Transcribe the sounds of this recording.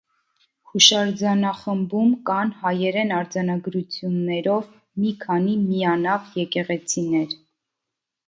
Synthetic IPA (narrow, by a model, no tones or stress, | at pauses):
huʃɑɾd͡zɑnɑχəmbumkɑnhɑjɛɾɛnɑɾd͡zɑnɑɡɾut͡sʰjunːɛɾɔv | mikʰɑnimiɑnɑvjɛkɛʁɛt͡sʰinɛɾ